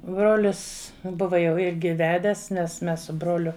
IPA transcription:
ˈbroːlʲɪs ˈbʊʋɐ jɛʊ ˈɪrʲɡʲɪ ˈʋʲæːdʲɛs nʲɛs ˈmʲɛs sʊ ˈbroːlʲʊ

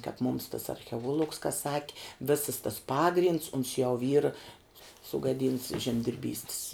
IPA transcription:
kɑːp mʊm tɐs ɐrʲxʲɛˈuɔlˠʊks kɐ ˈsɑːkʲɪ ˈʋʲɪsɐs tɐs ˈpɑːɡrʲɪnts ʊns jɛʊ iːr sʊɡɐˈdʲiːnts ʒʲɛmʲdʲɪrʲˈbʲiːsʲtʲɪs

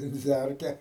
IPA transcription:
ʋʲɛnʲˈd͡zʲærʲkʲɛ

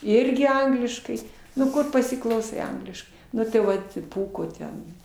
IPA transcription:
ˈɪrʲɡʲɪ ˈɐŋɡlʲɪʃkɐɪ nʊ ˈkʊr pɐsʲɪklˠɐʊˈsɐɪ ˈɐŋɡlʲɪʃkɐɪ ˈnʊ tɐɪ ˈʋɐt ˈpuːkoː ˈtʲɛn

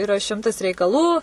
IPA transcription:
ɪˈrɐ ˈʃʲɪmtɐs rʲɛɪkɐˈlˠuː

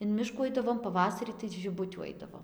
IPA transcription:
ɪn ˈmʲɪʃkuː ˈɐɪdɐʋoːm pɐˈʋɑːsɐrʲiː tɐɪ ʒʲɪˈbʊtʲuː ˈɐɪdɐʋoːm

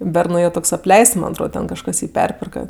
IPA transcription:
ˈbʲɛrnʊ jɛʊ ˈtoːks ɐpʲˈlʲɛɪsts mɐnʲ ɐtˈroːt ˈtʲɛn kɐʃˈkɐs ˈjiː ˈpʲɛrʲpʲɪrkɐ

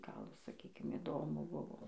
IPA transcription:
ˈɡɐlˠ sɐˈkʲiːkʲɪm ɪˈdoːmʊ ˈbʊʋoː

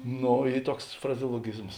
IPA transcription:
ˈnoː ˈiː ˈtuɔks frɐzʲɛoːlˠoːˈɡʲɪzmoːs

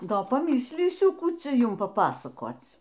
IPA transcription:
ˈdoː pɐˈmʲɪsʲlʲiːsʲʊ ˈkuː ˈt͡sʲɛ ˈjʊm pɐˈpɑːsɐkoːt͡s

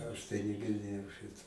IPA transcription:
ˈɐʃ tɐɪ nʲɪɡʲɪrʲˈdʲeːjɛʊ ˈʃʲɪtoː

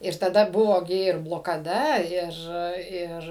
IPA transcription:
ɪr tɐˈdɐ ˈbʊʋoː ɡʲɪ ɪr blˠoːkɐˈdɐ ˈɪr ˈɪr

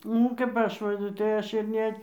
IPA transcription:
nʊ kɐp ˈɐʃ ˈʋɐ tɐɪ ˈɐʃ ɪr ˈnʲɛ

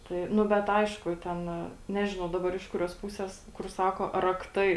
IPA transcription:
ˈtɐɪ ˈnʊ ˈbʲɛt ˈɐɪʃkʊ ˈtʲɛn ˈnʲæːʒʲɪnɐʊ ˈdɑːbɐr ɪʃ ˈkʊrʲuɔs ˈpʊsʲeːs kʊr ˈsɑːkoː rɐkˈtɐɪ

